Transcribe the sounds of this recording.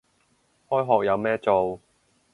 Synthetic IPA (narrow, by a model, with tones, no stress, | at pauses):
hɔː˥jɦɔː˨k̚jɐ˨˧wmɛː˥t͡so˨w